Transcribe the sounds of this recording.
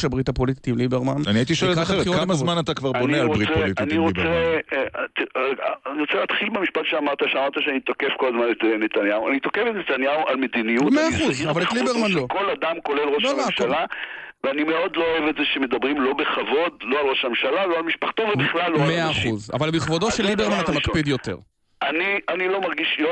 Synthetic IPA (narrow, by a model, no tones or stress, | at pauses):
ʃabʁitapolit̪i̥t̪imlibeʁmananiait̪iʃoelχeʁkamazmanat̪akvaʁaonealobʁitt͡seplit̪iniʁoe | t̪iniʁot͡seleaːt̪χilbemiʃpat̪ʃeamaʁt̪aʃeamaʁt̪aʃeanit̪o̞kefko̞lazmanet̪enet̪anjauanit̪o̞kefet̪net̪anjauʔalmed̪inijumeaːχuzavaltlibeʁmanloko̞lad̪amko̞le̞lʁoloaaʃalaveanimeo̞d̪looevetzeʃeme̞d̪abʁimlo̞beχavo̞d̪lo̞alʁoʃamʃalalo̞almiʃpaχt̪ovebχlalːomeaːχuza̰valbiχvodoʃelːibeʁmanat̪amakpid̪jo̞t̪e̞̰ʁ | anianilo̞maʁɡiʃlo